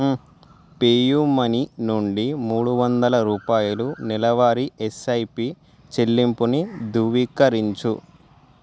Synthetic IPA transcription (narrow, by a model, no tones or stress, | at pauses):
peːjumɐninuɳɖimuːɽuʋɐnd̪ɐlɐɾuːpaːjulunilɐʋaːɾiesɐjpi | t͡ʃelːimpunid̪ʱuʋikɐɾiɲt͡ʃu